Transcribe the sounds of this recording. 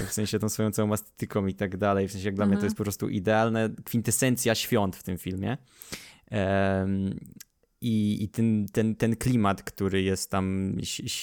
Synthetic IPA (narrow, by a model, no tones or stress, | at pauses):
fsɛ̃ɲ̃ɕɛt̪ɔ̃w̃sfɔjɔ̃wt̪sajɔ̃w̃ast̪ɛ̥t̪ɘkɔ̃w̃it̪aɡd̪alɛjfsɛ̃ɕ̬ɛjaɡd̪lamɲɛt̪ɔjɛst̪pɔpɾɔst̪ṵʔid̪ɛalnɛkfʲint̪ɛsɛnt̪sʲjaɕfʲjɔnt̪ft̪ɘmfʲilmʲjɛ̰ | iit̪ɛnt̪ɛnt̪ɛnklʲimat̪kt̪uɾɘjɛst̪ːam